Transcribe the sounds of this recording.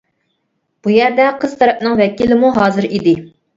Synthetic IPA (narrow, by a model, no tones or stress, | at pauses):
b̥ujæɾd̪ɛqʰəz̥t̪ʰɛɾɛp̚nɨŋvɛkʲilɪmuɦɑːzɨɾid̪ɪ